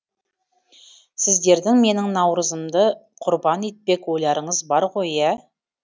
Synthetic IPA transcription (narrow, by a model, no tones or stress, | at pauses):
sɪzd̪e̞ɾd̪ɪŋme̞nɪŋnɑwɾəzəmd̪ə | qʰʊɾbɑne̞t̪̚pe̞kwo̞jlˠɑɾəɴəzbɑɾʁo̞jæ